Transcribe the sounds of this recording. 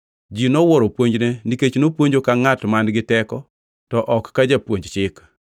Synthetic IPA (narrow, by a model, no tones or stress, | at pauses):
d͡ʒinɔwɔɾopwoɲd͡ʒneniket͡ʃnopwoɲd͡ʒokaŋatmanɡɪtɛkɔ | tɔʔɔkːad͡ʒapwoɲd͡ʒt͡ʃɪk